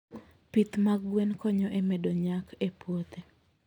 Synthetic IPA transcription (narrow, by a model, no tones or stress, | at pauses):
pit̪maɡɡwenkɔɲɔʔemɛdoɲakepwot̪e